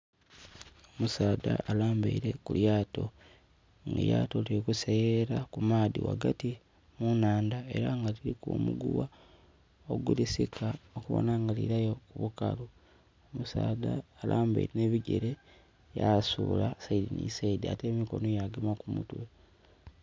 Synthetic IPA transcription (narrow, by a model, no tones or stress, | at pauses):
omusaːdaʔːlaːmbeiɾe̞kuljaːto̞̰ | ŋɡa̰jaːtolieokuseeɾakumaːðḭwa̰ɡati | munaːndae̞̰ɾaŋɡaliɾikṵmuɡuwa | o̞ɡulisikʰaokuβo̰naŋɡaliɾajo̞kuβuka̰lu | omusaːðaːlaːmba̰iɾeneβiɟḛɾe̞ | jasuːlasaidinḭsaidia̰te̞ːmiko̞no̞jaɡemakumutwe